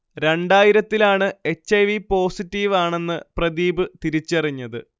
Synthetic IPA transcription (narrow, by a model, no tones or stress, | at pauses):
ɾe̞ɳɖaːjiɾɐt̪ːilaːɳɨe̞t͡ɕːɐjʋipo̞ːsitːiʋaːɳe̞nːɨprɐðiːbɨt̪iɾit͡ɕːɐriɲːɐðɨ̰